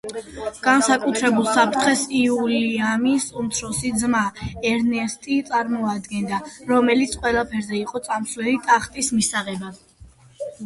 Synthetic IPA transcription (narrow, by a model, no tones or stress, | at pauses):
ɡ̥ansakʼut̪ʰɾɛbulˠsapʰɾt̪ʰχɛsiuliamisumt̪sʰɾɔsid̪zmaɛɾnɛst̪ʼit̪sʼaɾmɔad̪ɡɛnd̪aɾɔmɛlit̪sʰqʼwɛlˠapʰɛɾzɛiqʼɔt̪sʼamslɛlit̪ʼaχt̪ʼismisaʁɛba